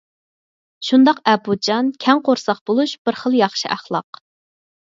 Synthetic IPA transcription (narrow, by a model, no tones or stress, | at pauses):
ʃund̪ɑqɛpud͡ʒɑnkʲʰɛŋqoɾsɑqbolˠuʃb̥ɪɾχəlˠjɑχʃiʔæχlˠɑ̰q